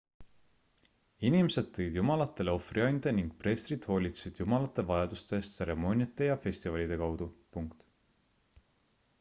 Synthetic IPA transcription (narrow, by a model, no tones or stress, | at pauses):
inimese̞d̪̥̚t̪ːejid̪̥jumɑlɑt̪ːˑe̞leo̞friɑjnʲd̪̥eniŋɡ̥̚pre̞ːst̪rid̪̥ho̞ːlʲit̪se̥sid̪̥jumɑlɑt̪ːˑe̞vɑjɑd̪̥ust̪eːst̪se̞ɾe̞mo̞nʲiɑt̪ːˑe̞jɑfe̞sʲt̪ivɑlʲid̪̥e̞kɑwd̪̥upuŋkt̪